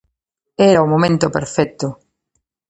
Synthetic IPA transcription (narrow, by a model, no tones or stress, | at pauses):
ɛɾɐʊmomẽnt̪ʊpḛɾfɛt̪ʊ